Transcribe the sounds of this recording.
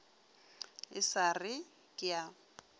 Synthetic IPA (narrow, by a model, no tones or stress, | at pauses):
ɪsarɪ | kʼɪja